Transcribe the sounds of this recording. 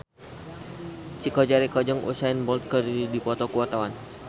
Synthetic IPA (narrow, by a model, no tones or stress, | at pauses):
t͡ʃikɔd͡ʒaɾikɔd͡ʒəŋʔṵsaɛnbɔlt̪̚kəɾidipɔt̪ɔkuɔt̪awan